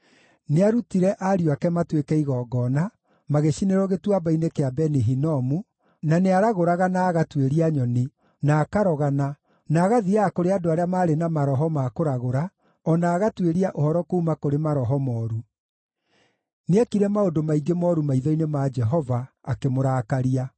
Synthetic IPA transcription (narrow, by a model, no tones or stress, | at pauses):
neaɾutiɾɛʔaɾioakɛmatwekɛiɣɔːɡɔːna | maɣeʃineɾɔɣetwabainekeabɛneɦinɔmu | naneaɾaɣoɾaɣanaːɣatweɾiaɲɔni | naːkaɾɔɣana | naːɣaðiaːkoɾeadoaɾeamaːɾenamaɾɔɦɔmakoɾaɣoɾa | ɔnaːɣatweɾiaʔohɔɾɔkoumakoɾemaɾɔɦɔmɔːɾu | neakiɾɛmaodomaiɡemɔɾumaiðɔinemad͡ʒɛɦɔvaː | kemoɾaːkaɾia